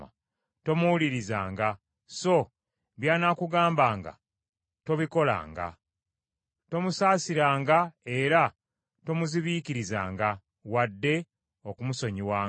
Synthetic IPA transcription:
a̰ | to̞muwuliɾizaːŋɡa | so̞ | βjaːnakuɡaːmbaːŋɡa̰ | to̞βiko̞la̰ːŋɡa̰ | to̞musaːsiɾaːŋɡae̞ɾa | to̞muziβiːkiɾiza̰ːŋɡa | wadːe̞ | o̞kumuso̞ɲiwaː

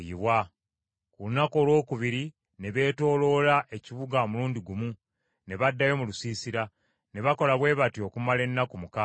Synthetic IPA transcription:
iβwa | kuunako̞ːlwo̞ːkuβiɾi | ne̞βe̞ːto̞ːlo̞laʔe̞ciβuɡaomuluːnɲdiɡumu | ne̞βadːajo̞mulusiːsiɾa | ne̞βako̞laβwe̞ːβatio̞kumale̞nːakumuka

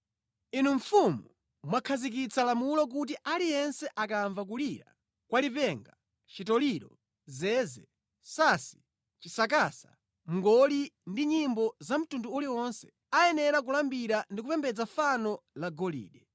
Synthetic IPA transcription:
inuɱ̩fumu | mwakʰazik̬it͡sʰalamulɔk̬ut̬iʔalijɛnsɛʔakaɱvak̬uliɾa̰ | kwalipɛŋɡa | t͡ʃitɔliɾɔ | zɛzɛ | sasi̥ | t͡ʃisak̬asa̰ | m̩ŋɡɔlindiɲimbɔzam̩tunduuliɔnsɛ̥ | ajɛnɛɾak̬ulambiɾandikupɛmbɛd͡zafanɔlaɡɔlḭːɗɛ

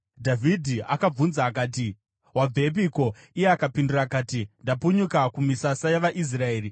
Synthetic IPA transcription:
dʱavʱidʱiakab͡vunzaːkaːti | wab͡ve̞p̬iko̞ | ijeakapindurakaːtindapuɲukakumisasajaʋaʔis̬raeːri

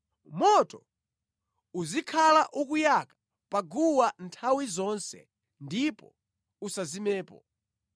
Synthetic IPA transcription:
mɔtɔ | uzikʰalaʔukujakḁ | paɡuwantʰawizɔnsɛ̰ | ndipɔ̰ | usazimɛːpɔ̰

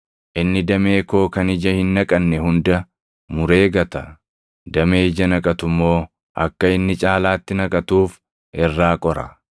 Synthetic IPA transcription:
ʔɪnːɪd̪ɐme̞ːko̞ːkɐnɪd͡ʒɐhɪnːɐkʼɐnːɛhʊnd̪ɐ | mʊɾe̞ːɡɐt̪ɐ | d̪ɐmeːd͡ʒɐnɐkʼɐt̪ʊmːo̞ː | ʔɐ̰kːɐɪnːɪt͡ʃʼaːlaːt̪ːɪnɐkʼɐt̪uːf | ɛrːaːkʼɔɾɐ

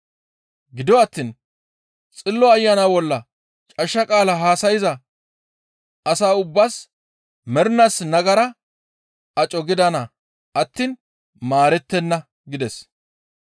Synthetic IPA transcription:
ɡɪd̪ɪwɐt̪ːiːn | t͡sʼɪlːɔɐjːanabɔlːɐ | t͡ʃʼɐʃːɐkʼaːlɐɦaːsɐjɪzɐ | ɐsaːʊbːas | mɛɾnasnɐɡɐɾɐ | ɐt͡ʃʼɔɡɪd̪ɐnɐ | ɐt̪ːiːn | maːɾɛt̪ːɛnːɐ | ɡɪd̪ɛs

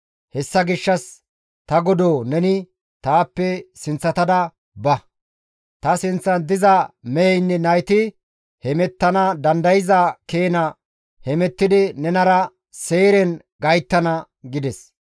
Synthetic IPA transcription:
hɛsːɐɡɪʃːɐs | t̪ɐɡɔd̪oːnɛnɪ | t̪aːpːɛsɪnt͡sːɐt̪ɐd̪ɐ | bɐ | t̪ɐsɪnt͡sːɐnd̪ɪzɐmɛjɛjnːɛnɐjt̪ɪ | hɛmɛt̪ːɐnɐd̪ɐnd̪ɐjɪzɐke̞ːnɐ | hɛmɛt̪ːɪd̪ɪnɛnɐɾɐ | seːɾɛn | ɡɐjt̪ːɐnɐ | ɡɪd̪ɛs

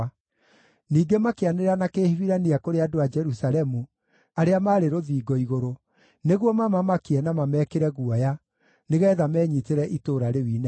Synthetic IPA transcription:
niːɡemakeaneɾanakeːhiwiɾaniakoɾeadoad͡ʒɛɾusalɛmu | aɾeamaːɾeɾoðiːɡɔiɣoɾo | neɣwɔmamamakiɛnamamɛːkeɾɛɣuaja | neɣɛːðamɛːɲiteɾɛʔitoːɾaɾewiːnɛ

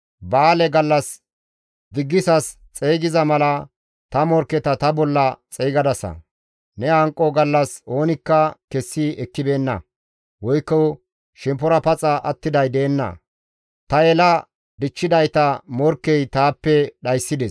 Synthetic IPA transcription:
baːlɛɡɐlːɐs | d̪ɪɡːɪsɐs | t͡sʼeːɡɪzɐmɐlɐ | t̪ɐmɔɾkɛt̪ɐt̪ɐbɔlːɐt͡sʼɛjɡɐd̪ɐsɐ̰ | nɛɐŋkʼːɔɡɐlːɐso̞ːnɪkːɐkɛsːiɛkːɪbe̞ːnːɐ̰ | wɔjkːɔ | ʃɛmp̬ɔɾɐpɐt͡sʼɐʔɐt̪ːɪd̪ɐjd̪eːnːɐ̰ | t̪ɐɛlɐ | d̪ɪt͡ʃːɪd̪ɐjt̪ɐmɔɾkːɛjt̪aːpːɛɗɐjsːɪd̪ɛs

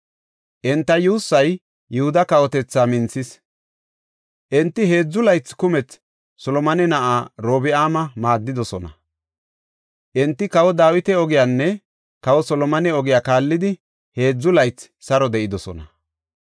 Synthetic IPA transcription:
ʔɛnt̪ːɐjuːsːɐj | jɛhʊd̪ɐkɐwɔt̪ɛt͡sːaːmɪnt͡sːɪs | ʔɛnt̪ːɪhe̞ːd͡zːʊlɐjt͡sːkʊmɛt͡s | sɔlɔmɐnɛnɐʔaːɾo̞ːbɪaːmɐmaːd̪ːɪd̪ɔsɔnɐ | ʔɛnt̪ːɪkɐwɔd̪aːwɪt̪ɛɔɡɪjaːnːɛ | kɐwɔsɔlɔmɐnɛɔɡɪjaːkaːlːɪd̪ɪ | he̞ːd͡zːʊlɐjt͡s | sɐɾɔd̪ɛʔɪd̪ɔsɔ̰nɐ

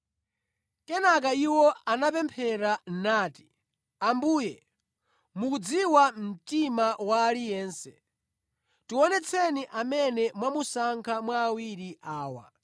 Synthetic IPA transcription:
kɛnak̬aiwɔanapɛmpʰɛɾanaːti̥ | ambuːjɛ | mukud͡ziwam̩timawaːlijɛːnsɛ | tuwɔnɛt͡sʰɛniʔamɛnɛmwamusaŋkʰamwaːwiɾiʔaːwa̰

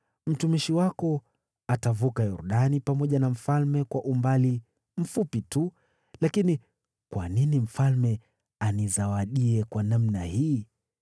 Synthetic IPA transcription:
m̩tumiʃiwakɔ | atavukajuɾuɗanipamɔʄanam̩falmɛkwaʔumbali | m̩fupitu | lakini | kwa̰ninim̩falmɛ | anizawaɗiɛkwanamnahiː

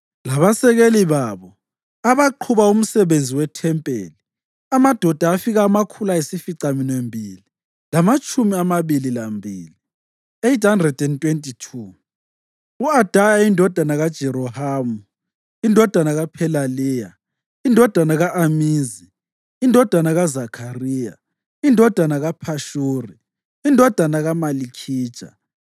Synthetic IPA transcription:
laβasɛɣeliβaβɔ | aβaǃʰuβaum̩sɛβend͡zʱiwɛtʰɛmpʼḛːli | amad̥ʱɔd̥ʱaːfiɣaːmakʰulaesifiǀaminembʱili | lamat͡ʃʼumiamaβililambʱḭːli | ejthandrɛd̥ɛntʼwentʼitʰu | uad̥ʱajaindʱɔd̥ʱanaɣad̥ʒ̥ʱɛɾɔhaːmu | indʱɔd̥ʱanaɣapʰɛlaliːja | indʱɔd̥ʱanaɣaʔamiːziː | ndʱɔd̥ʱanaɣazakʰariːja̰ | indʱɔd̥ʱanaɣapʰaʃuːri | indʱɔd̥ʱanaɣamalikʰi̥ːʒ̥ʱʼa̰

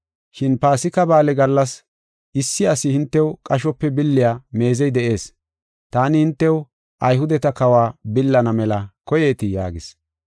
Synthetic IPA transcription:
ʃɪnpaːsɪkɐbaːlɛɡɐlːɐs | ʔɪsːɪɐsɪhɪnt̪ːɛwkʼɐʃɔpːɛbɪlːɪjaːme̞ːzɛjd̪ɛʔe̞ːs | t̪aːnɪhɪnt̪ːɛw | ʔɐjɦʊd̪ɛt̪ɐkɐwaːbɪlːɐnɐmɛlɐkɔjeːt̪ɪja̰ːɡɪs

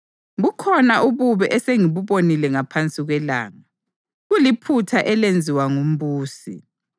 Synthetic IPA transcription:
ɣukʰɔnaʔuβuβɛʔɛseŋiβuβonilɛŋapʰant͡sʼiɣwɛla̰ːŋa | ɣulipʰutʰaʔɛlend͡zʱiwaŋum̩βuːsḭ

